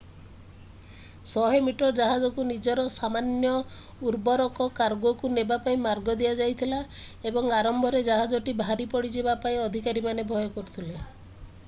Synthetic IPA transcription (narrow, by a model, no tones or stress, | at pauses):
sɔɦemiʈɔɾd͡ʒaɦad͡ʒɔkunid͡ʒɔɾɔsamanjɔ | uɾbɔɾɔkɔkaɾɡɔkunebapaĩmaɾɡɔd̪iad͡ʒajt̪ʰilaebɔŋaɾɔmbʱɔɾed͡ʒaɦad͡ʒɔʈibʱaɾipɔɽid͡ʒebapaĩɔd̪ʱikaɾimanebʱɔjɔkɔɾut̪ʰile